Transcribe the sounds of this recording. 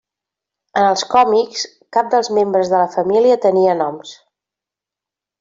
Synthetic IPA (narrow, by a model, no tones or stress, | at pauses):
ənəlˠskɔmiks | kap̚d̪əlˠzmembɾəzðələfəmiliət̪əniənɔms